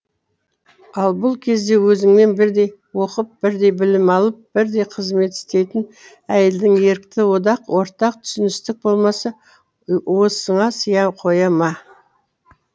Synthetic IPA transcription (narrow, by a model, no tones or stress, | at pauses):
ɑlˠbʊlˠkʲʰe̞zd̪e̞wɵzɪŋme̞nbɪɾd̪e̞jwo̞qəp̚bɪɾd̪e̞jbɪlɪmɑlˠəp̚b̥ɪɾd̪e̞jqʰəzme̞t̪ɪ̥st̪e̞jt̪ɪn | æje̞ld̪ɪŋe̞ɾkt̪ɪwo̞d̪ɑqwʔo̞ɾt̪ɑq̚t̪ʰʏ̥sɪnɪst̪ɪk̚bo̞lˠmɑsɑ | wo̞səɴɑsəjɑqʰo̞jɑmɑ